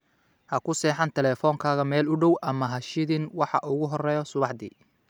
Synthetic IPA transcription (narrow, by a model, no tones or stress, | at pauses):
hɐkʰʊsɛːħɑnt̪ʰɛlɛːfɔːŋkʰaːɣɐmɛːlʊɖɔwʔɐmɐɦɐʃɪðɪnwɑħɑ̰ʔʊɣʊɦɔrɛːjɔsʊβɑħd̪ḭː